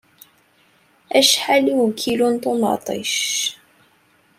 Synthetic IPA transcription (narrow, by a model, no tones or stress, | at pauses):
æʃħaliwkʰːilunt̪ʊnɑ̰t̪ˤə̰ʃ